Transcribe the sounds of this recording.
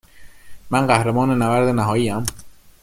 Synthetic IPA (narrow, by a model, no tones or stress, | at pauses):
mænɢæhɾemɒːnenævæɾd̪enæɦɒːjiːæm